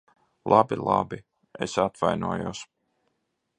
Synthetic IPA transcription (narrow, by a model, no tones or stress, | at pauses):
lˠʔabilˠabi | ḛsat̪vajnuɔjus